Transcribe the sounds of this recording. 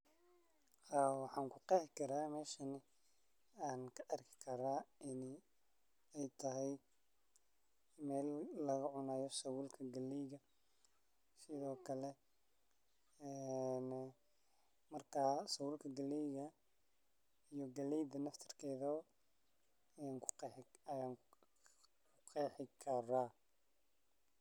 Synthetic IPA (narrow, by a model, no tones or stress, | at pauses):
haːwɑħɑːŋkʰʊqɛːhɪkʰɐɾaːmɛːʃɐnɪ | aːnkʰɐʔɐrkʰɪ̥kʰɐɾaːɪn | ɛjt̪ʰɐɦɛj | mɛːlːɐɣɐʕʊnaːjɔsɐwʊːlkʰɐɡɐlɛjɣɐ | sɪðɔːkʰɐlɛ | ɛn | mɐrkʰasɐwulkʰɐɡɐlɛjɣɐ | ijɔɡɐlɛjd̪ɐnɐft̪ʰɐ̥rkʰɛːðɐ | jaːnkʰʊ̥ɐja | kʰʊqɛːħɪkʰɐra